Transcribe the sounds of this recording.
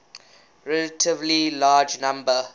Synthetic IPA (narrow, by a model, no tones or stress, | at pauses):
ɹɛlətʰɪvlilaːd͡ʒnãmbə